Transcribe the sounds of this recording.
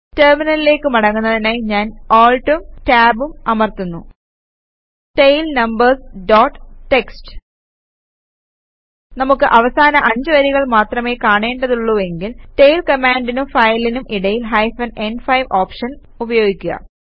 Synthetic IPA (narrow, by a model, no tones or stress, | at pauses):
terminɐlile̞ːkːɨmɐɽɐŋːunːɐðinaːjɲaːnoːɭʈumtaːbumɐmɐrt̪unːu | ʈejlnɐmbɐrsɖoːʈːʈːe̞ksʈɨ̥ | nɐmukːɨʔɐʋɐsaːnɐʔɐɲd͡ʑɨʋɐɾiɣɐɭmaːt̪rɐme̞ːkaːɳe̞ːɳɖɐðuɭːue̞ŋɡilʈejlkɐmaːɳɖinumfɐjlinumʔiɽɐjilɦɐjfɐnenfɐjʋʔoːpʂɐn | ubɐjo̞ːɡikʲːuɣɐ̰